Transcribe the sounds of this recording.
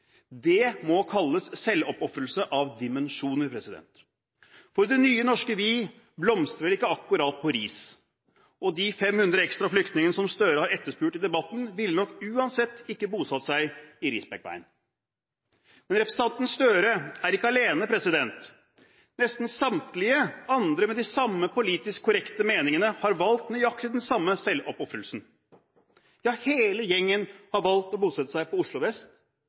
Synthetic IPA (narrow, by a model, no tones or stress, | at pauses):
d̪ɛmɔkʰɑlːəssɛlːɔpɔfɾəlsəʔɑʋd̪ɪmɛnʂuːnəɾpʰɾɛsɪd̪ɛ̰nt̪ | fɔɾd̪ɛnyːənɔʂkəʋiː | blɔmst̪ɾəɾɪkːəɑkːʊɾɑt̪̚pʰɔɾiːs | ʔɔd̪ɪfɛmhʉnd̪ɾəɛkst̪ɾɑflʏkt̪nɪŋənəsɔmst̪øːɾəhɑɾɛt̪ːəʂpʉːʈɪd̪ɛbɑt̪n̩ʋɪlnɔkːʉːɑnsɛt̪ːɪkːəbuːsɑt̪sæɪɪɾɪsbɛk̚ʋæ̰ɪn | mɛnɾɛpɾɛsɑnt̪n̩sst̪øːɾəæɾɪkːəɑleːnəpʰɾɛsɪd̪ɛnt̪ | nɛst̪n̩sɑmt̪lɪəɑnd̪ɾəmɛd̪ɪsɑmːəpʊliːt̪ɪskʰːʊɾɛkt̪əmeːnɪŋənəhɑɾʋɑlt̪nɔjɑkt̪ɪd̪ɛnsɑmːəsɛlɔpɔfɾəlsn̩ | jɑːheːləjɛŋːənhɑɾʋɑlt̪ɔbuːsɛt̪ːəsæɪpɔʊʂɭʊʋɛst̪